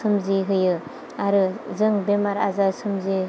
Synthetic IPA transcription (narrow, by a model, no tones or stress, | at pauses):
sɯmziɦɯjɯ | aɾɯzɯŋbemaɾa̰zasɯmzi